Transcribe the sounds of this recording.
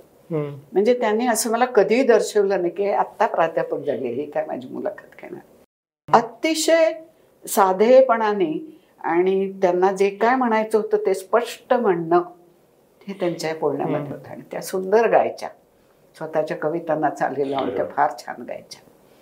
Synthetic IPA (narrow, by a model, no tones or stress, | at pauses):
m̤əɳd͡zet̪janːiːəsəːməlakəd̪ʱiːd̪əɾɕeʋlənajkiat̪ːapɾat̪japək̚d͡zaleɦikajma̰d͡ʑʱiːmṵlə̰kʰət̪ɡʰḛɽ̃a̰ɾ | ət̪iɕəj | sad̪ʱejpəɳ̃ani | a̰ɽ̃it̪janːad͡zekajm̤əɽ̃ajt͡səɦot̪ət̪espəʂʈəm̤əɳɳə | het̪jaɲt͡ɕaepoɽɳja̰ʋəʈ̪ɦot̪ea̰ɽ̃it̪ja̰sund̪əɾɡa̰jt͡ɕa̰ | sʋət̪at͡ɕjakəʋit̪anːat͡sa̰leləaʋə̰ɳt̪jafaɾt͡ɕʰa̰nɡa̰jt͡ɕḁ